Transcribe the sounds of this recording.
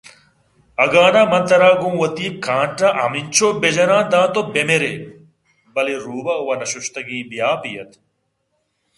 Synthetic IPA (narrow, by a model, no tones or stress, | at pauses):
ɐɡaːnaːmɐ̃nt̪ɐɾaːɡũːwɐt̪iːkãːɳʈãʔɐ̰mint͡ɕʰoːbed͡ʑɐɾãːd̪ãːt̪obemeɾe | bɐleɾuːbɐuwɐnɐɕuɕt̪ɐɡĩːbijaːpijɐ̰t̪